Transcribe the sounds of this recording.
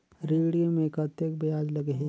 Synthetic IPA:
ɾeɽijomẽkɐt̪ek̚bejaːd͡ʒlɐɡeɦe

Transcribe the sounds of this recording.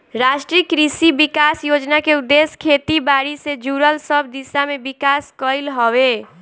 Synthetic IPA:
ɾaʃʈɾikɾisibikasjod͡ʒnakeud̪ːeskʰet̪ibaɾised͡ʒuɾəlsəbd̪isamebikaskəjlɦɔwe

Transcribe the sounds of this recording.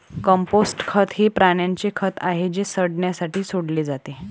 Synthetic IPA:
kəmposʈkʰət̪ɦiːpɾaɳjaɲt͡ɕekʰət̪aɦed͡ʑesəɽɳjasaʈiːsoɽled͡zat̪e

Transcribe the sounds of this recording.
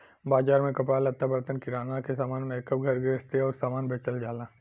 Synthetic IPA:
baːd͡ʒaːɾmẽkɐpɽalɐt̪ːabɾt̪ənkiɾaːnakesaːmaːnmẽkəpɡʱɐɾɡest̪eɔːɾsaːmaːnbʱeːt͡ʃəld͡ʒaːlaː

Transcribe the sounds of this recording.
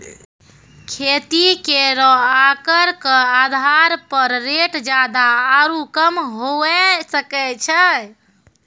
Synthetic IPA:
kʰet̪ikeɾɔakəɾkəad̪ʱaɾpəɾːeʈd͡ʒad̪aːɾukəmɦoɛsəkɛt͡ʃʰɛ

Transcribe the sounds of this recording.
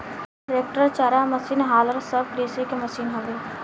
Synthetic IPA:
ɾeːk̚ʈəɾt͡ʃaːɾaməsiːnɦaːləɾsəb̚kɾeːsekemɐsiːnɦobeː

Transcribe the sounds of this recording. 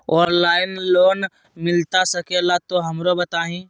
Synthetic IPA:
ɔːnlaːɪnloːn | mɪlt̪asɐkelat̪oɦɐmɾobɐt̪aːɦĩː

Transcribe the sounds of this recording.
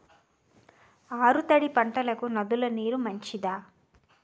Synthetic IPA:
aːɾut̪ɐɽipɐɳʈɐlɐkunɐd̪ulɐniːɾumɐɲt͡ʃid̪aː

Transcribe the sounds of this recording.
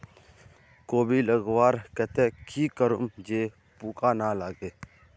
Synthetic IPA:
koːbiːləɡwaːɾkɛt̪ẽkʰiːkəɾṵmd͡ʒeː | puːkaːnaːlaːɡeː

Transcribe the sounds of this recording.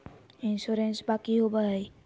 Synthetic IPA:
insuɾensbakiɦobaaj

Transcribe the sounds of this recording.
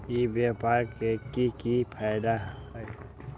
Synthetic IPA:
ibapaːɾkekikipʰaːjd̪aɦ

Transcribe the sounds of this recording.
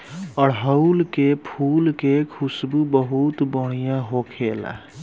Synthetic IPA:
əɽɦəʊlkepʰuːlkekʰusbubəɦut̪bəɽ̃ijãɦokʰela̰

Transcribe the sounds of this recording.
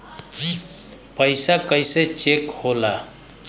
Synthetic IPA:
d͡ʒipəjsakəjset͡ʃekhola

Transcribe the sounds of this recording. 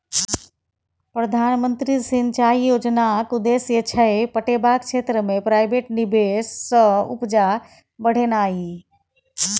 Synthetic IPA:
pɾɐd̪ʱaːnmə̃nt̪ɾisint͡ʃaːijoːd͡ʒnakud̪eːsjət͡ʃʰəepəʈebaːkt͡ʃʰeːt̪ɾəmẽpɾaːɪbeːʈnibesːəʊ̰pd͡ʒa | bəɽ̤enaːɦi

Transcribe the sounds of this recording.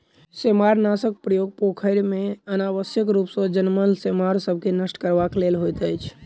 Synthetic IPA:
semaɾnasək̚pɾəjoɡ̚pokʰəɾmeənaʋəsjəkɾupsə̃d͡ʒənməlsemaɾsəb̚ʱkenəʃʈkəɾbaklelɦojt̪əjt͡ʃʰ

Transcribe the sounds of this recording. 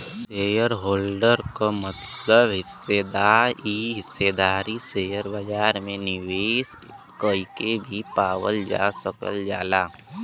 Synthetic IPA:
seːjəɾɦoːlɖəɾkomət̪ | ləbɦɪsːed̪aːɾiːɦɪsːed̪aːɾiseːjəɾbəd͡ʒaːɾmẽnɪweːs | kəikebʱipaːwəld͡ʒa̰səkə̰ld͡ʒaːlaː

